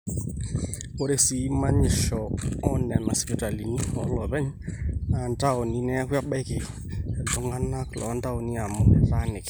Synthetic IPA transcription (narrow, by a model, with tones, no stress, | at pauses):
o˦˨ɾe˦si˨˦ma˦ɲɪ˨ʃɔ˨ɔ˦nɛ˨ma˨si˨pi˦ta˨li˨ɲi˦ɔ̰˨˦lɔ˨βɛ˦ɲ˦a˨nda˦o˨ni˨˦nɛ˦a˦kwa˦ɓa˦jkɪ˨ɔ˨ | ɛ˨d͡ʒɔ˨˦ŋa˦na˦klɔ̰˨˦nda˦o˨ni˦a˨mɔ˨ta˦nɪ˨k